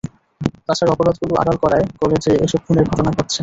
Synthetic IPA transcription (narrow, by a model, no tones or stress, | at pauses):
t̪aʃaɾɔpoɾod̪̚ɡuloʔa̰ɾalkɔɾaekɔled͡ʑeḛʃɔb̚kʰuneɾɡʱɔʈonaɦoʈːt͡ɕʰe